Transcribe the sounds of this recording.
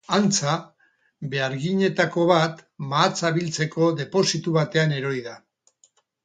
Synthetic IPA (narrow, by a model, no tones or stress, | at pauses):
ant͡sa | be̞aɾɣiɲe̞t̪ako̞βat̪maːt͡saβilt͡se̞ko̞ðe̞po̞sit̪uβat̪e̞ane̞ɾo̞jða